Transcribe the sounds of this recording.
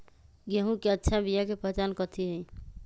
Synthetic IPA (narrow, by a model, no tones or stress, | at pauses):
ɡeɦũkeətːʃʰabijakepəɦet͡ʃankət̪ʰiɦə